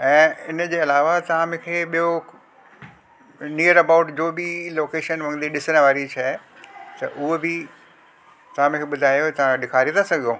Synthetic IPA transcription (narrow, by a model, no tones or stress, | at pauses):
ɛ̃ːɪnəd͡ʑeːɐlaːʋat̪ɐʋãmɪ̃kʰeːɓijo | niəɾɐbaʊʈd͡ʑoːbɪloːkeːʃənʋɐ̃ŋd̪iɗɪsəɽ̃əʋaːɾit͡ɕʰat̪ɐ̰ʔʊɦobɪ | t̪ɐʋ̤ãmɪ̃kʰeːɓʊd̪ʱaːjot̪ɐʋãɗɪkʰaːɾit̪ʰãsɐɡʱijoː